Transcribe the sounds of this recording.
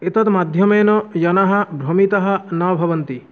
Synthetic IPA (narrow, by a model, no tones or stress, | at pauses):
et̪ɔt̪mad̪ʱjɔmejnɔjɔnaɦabʱɾomit̪ɔɦanɔbʱɔbɔnt̪i